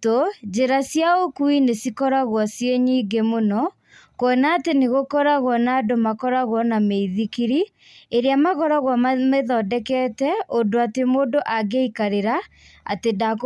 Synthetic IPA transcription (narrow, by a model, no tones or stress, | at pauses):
od͡ʒeɾasjaokuinesikɔɾaɣwɔsjeɲiːɡemonɔ | kwɔnateneɣokɔɾaɣwɔnaːdomakɔɾaɣwɔnameiðikiɾi | eɾeamaɣɔɾaɣwammeðɔdɛkɛːtɛodoatemoːdoʔaɡeikaɾeɾa | a̰tedak